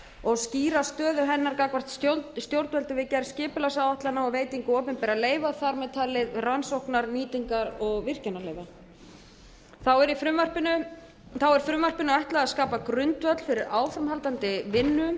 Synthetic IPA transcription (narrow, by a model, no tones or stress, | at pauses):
ɔɣsciːɾast̪œːðʏɦɛnːaɾkaːkvar̥t̪st̪jotst̪jowɾt̪vœlt̪ɪvɪcɛɾscɪːpɪlasawaht̪lanaɔɣveːjt̪iŋkʏɔːpʏnpɛɾaleːjvaθaɾmɛt̪ʰaːlɪðransowhknaɾniːt̪iŋkaɾɔɣvɪr̥cɛnːaleːjva | θawɛɾifɾʏmvar̥pɪnʏ | θawɛɾ̥fɾʏmvar̥pɪnʏajht̪laɣaðskaːpakɾʏnt̪vœt̪lfɪɾɪɾaːwfɾamhalt̪ant̪ɪvɪnːʏ